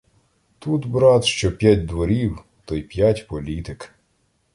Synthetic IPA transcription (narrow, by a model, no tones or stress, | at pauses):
t̪ut̪bɾɑt̪ʃt͡ʃɔpʲjatʲd̪ʋɔɾʲiw | t̪ɔjpʲjatʲpɔlʲit̪ɪk